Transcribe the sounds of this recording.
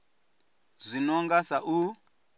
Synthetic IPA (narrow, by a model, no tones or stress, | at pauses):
zʷinɔŋɡasaʔu